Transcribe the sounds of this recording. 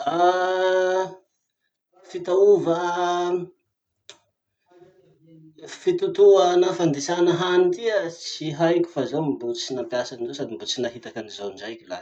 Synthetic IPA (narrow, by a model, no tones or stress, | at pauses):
a | fit̪auvə | fit̪ut̪uanafand̪esanəɦanit̪iət͡siɦajkʲu̥fazawmibut͡sinampiasaninzosad̪imbut͡sinaɦit̪akanizawiɳd͡ʒajkʲila̰